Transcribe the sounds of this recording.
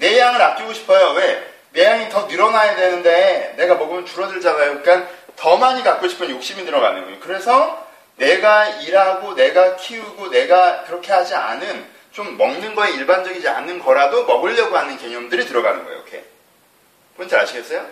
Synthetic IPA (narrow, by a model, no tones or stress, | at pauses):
ne̞jaŋɯɾap̚k͈iɡoɕʰi̥pʰʌjowe̞ | ne̞jaŋitʌnɯɾʌnajadwe̞nɯnde̞ne̞ɡamʌɡɯmɯnt͡ɕuɾʌdɯɭd͡ʑaɡajoik͈an | tʌmaɲikak̚k͈oɕʰi̥pʰɯnjok̚ɕ͈imidɯɾʌɡa̰nɯnɡoɲokɯɾe̞sʰʌ | ne̞ɡaiɾaɡone̞ɡakʰiuɡone̞ɡakɯɾʌkʰe̞ɦad͡ʑianɯn | t͡ɕomːʌŋnɯnɡʌeiɭband͡ʑʌɡid͡ʑia̰nɯnɡʌɾadomʌɡɯʎːʌɡoɦanɯnkeɲʌmdɯɾitɯɾʌɡa̰nɯnɡʌ̰j̰o̰jo̰kʰe̞̰ | pot͡ɕʰʌa̰ɕʰiɡe̞s͈ʌjo